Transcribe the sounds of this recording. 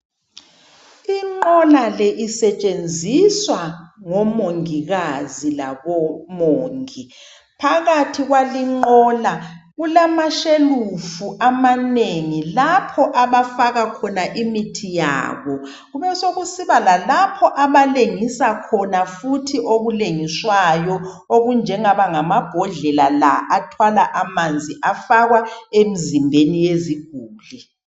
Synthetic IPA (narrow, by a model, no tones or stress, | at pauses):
iŋ͡ǃɔlalɛʔisɛt͡ʃʼend͡zʱiswaŋɔmoŋiɣazila̰βɔmoːŋi | pʰaɣatʰiɣwaliŋ͡ǃɔlaɣulamaʃelufuʔamaneŋilapʰɔʔaβafaɣakʰɔnaʔimitʰija̰ːβɔ | ɣuβɛsoɣusiβalalapʰɔʔaβaleŋisakʰɔnafutʰiʔoɣuleŋiswajɔ | oɣund͡ʒʱɛŋaβaŋamab̥ʱɔɮɛlala̰ʔatʰwalaʔamand͡zʱiʔafaɣwaemizimbʱenijeziɡ̥̚ʱuːli